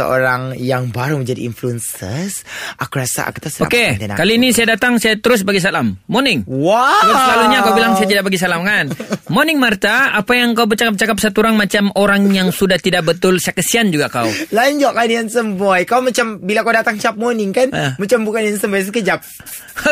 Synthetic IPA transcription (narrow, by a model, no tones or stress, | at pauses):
ə̰o̰ɾaŋjaŋbaɾuməɲd͡ʒadiḭnfluənsəsʔakuɾasa̰a̰kut̪asəoaken̰kaliːnisajadat̪aŋsajat̪əɾʊs̬baɡis̬alamːonɪŋwaasəlaluɲakawbilaŋsajat̪idaʔ̚baɡis̬alamkanmonɪŋmart̪aapajaŋkaubərt͡ʃakap̚t͡ʃakap̚sat̪uɾaŋmat͡ʃamoɾaŋjaŋsudaht̪idaʔ̚bət̪ʊlsajakəsiand͡ʒuɡakawlaɲd͡ʒɔʔkanjaŋsəmbojkawmat͡ʃambilakawdat̪aŋt͡ʃap̚monɪŋkanmat͡ʃambukanjaŋsəmbajs̬əkəd͡ʒap̚